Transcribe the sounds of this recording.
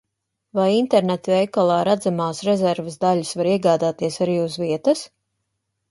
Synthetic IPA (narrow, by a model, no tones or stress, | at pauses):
vajint̪ɛɾnɛt̪vɛjkalˠɑːɾad̪zamaːsɾɛzɛɾvəsd̪alʲisvaɾiɛɡaːd̪aːt̪iɛsaɾiːuzviɛt̪ɐs